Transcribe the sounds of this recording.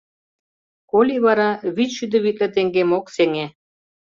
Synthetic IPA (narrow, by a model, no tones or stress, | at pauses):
kolʲiβɑɾɑβit͡sʃyd̪ə̆βit̪̚lĕt̪eŋɡemokseŋe